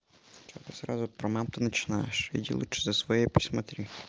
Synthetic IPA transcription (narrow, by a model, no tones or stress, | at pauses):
t͡ʃt̪ɨsɾa̰zʊpɾɐmamt̪ɨnət͡ɕɪnajɪʂḭdʲḭlˠṵʂɨzɐsʋɐjepɾʲɪsmɐt̪ɾʲi